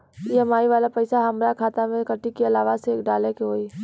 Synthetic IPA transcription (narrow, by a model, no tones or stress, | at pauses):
jemaːiʋaːlapəɪsaɦɐmɾakʰaːt̪amẽkəʈikeɐlaːʋaseːkɖaːlekeɦoːi